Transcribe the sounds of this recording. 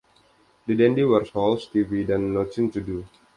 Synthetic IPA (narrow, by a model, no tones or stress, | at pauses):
dədɛndiwərshɔlst̪ividanːot͡ʃint͡ʃudu